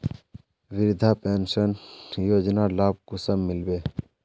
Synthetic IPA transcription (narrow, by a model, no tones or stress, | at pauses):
ʋɪɾd̪ʱapeːnsənjoːd͡ʒnalaːb̚kʊsəmːɪlbeː